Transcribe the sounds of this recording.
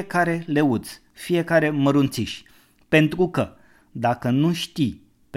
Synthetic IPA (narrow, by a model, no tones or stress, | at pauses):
ekaɾe̞le̞ut̪s | fije̞kaɾe̞məɾunt̪siʃʲ | pe̞nt̪ɾukə | d̪akənuʃt̪i | p